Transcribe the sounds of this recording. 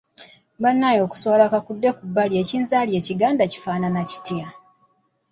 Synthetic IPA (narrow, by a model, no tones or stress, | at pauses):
banːajo̞ːku̥swalakakudːe̞kubːalje̞ːciːnzaːlje̞ːciɡaːndaci̥faːnanaci̥tia